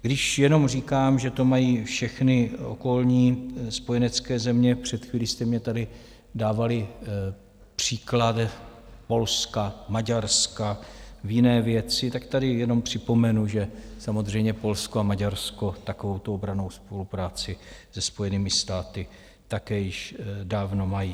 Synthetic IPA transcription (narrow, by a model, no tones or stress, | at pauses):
ɡdɪʃjɛno̞mriːkaːmʒɛt̪o̞majiːfʃɛxnɪo̰ko̞lɲiːspo̞jɛnɛt͡skɛːzɛmɲɛpr̝̥ɛt̪xviːlist̪ɛmɲɛt̪adɪ | daːvalɪ | pr̥iːklat̪ | po̞lskamaɟaɾskavjɪnɛːvjɛt͡sɪt̪akt̪adɪjɛno̞mpr̝̥ɪpo̞mɛnuʒɛsamozr̝ɛjmɲɛpo̞lskoamaɟaɾsko̞t̪akovo̞wt̪oobɾano̞wspo̞lupɾaːt͡sɪz̥ɛspo̞jɛniːmɪst̪aːt̪ɪ | t̪akɛːjɪʃdaːvno̞majiː